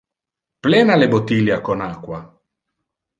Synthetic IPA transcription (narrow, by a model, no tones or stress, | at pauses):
plɛnalebot̪ːiljakonakwa